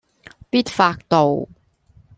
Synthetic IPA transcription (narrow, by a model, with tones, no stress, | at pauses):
piː˥t̚faː˧k̚t̪o˨w